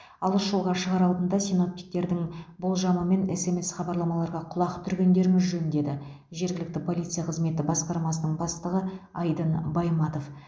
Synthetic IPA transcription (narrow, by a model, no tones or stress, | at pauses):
ɑlˠəʃʒolˠʁɑʃəʁɑɾɑlˠd̪ənd̪ɑsino̞p̚t̪i̥k̚t̪e̞ɾd̪ɪŋbolˠʒɑməme̞nɪse̞me̞sχɑbɑɾlˠɑmɑlˠɑɾʁɑqʰʊlˠɑqt̪ʰʏɾɡʲe̞nd̪e̞ɾɪmɪzʒɵnd̪e̞d̪ɪ | ʒe̞ɾɡʲɪlɪk̚t̪ɪpʰo̞lʲijt̪sɨjaqʰəzme̞t̪ɪbɑsqɑɾmɑsənəɴbɑst̪əʁəɑjd̪ənbɑjmɑt̪o̞f